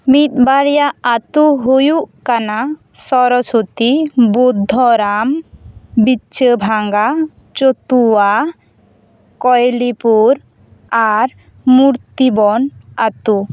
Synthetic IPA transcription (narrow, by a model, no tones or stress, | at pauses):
mit̪̚baɾjaat̪uɦojuʔkana | sɔɾɔsot̪ibud̪ʱːɔɾambit͡ʃəbʱaŋɡa | t͡ʃot̪ua | kɔjlipuɾ | aɾ | muɾt̪ibɔnat̪u